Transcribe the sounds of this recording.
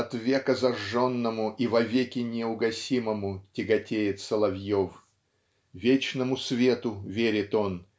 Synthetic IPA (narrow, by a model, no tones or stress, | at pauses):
ɐt̪vʲekəzɐʐːonːəmʊʔivɐvʲekʲɪnʲɪʊɡɐsʲiməmʊtʲɪɡɐtʲejɪt̪səlˠɐvʲjof | vʲet͡ɕnəmʊsvʲet̪ʊvʲeɾʲɪt̪o̞n